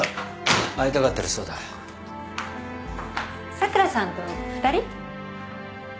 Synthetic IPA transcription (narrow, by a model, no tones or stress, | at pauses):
ait̪akat̪ːaɾɯsoːd̪a | sakɯ̟ɾasãnt̪oɸɯ̟̥t̪aɾʲi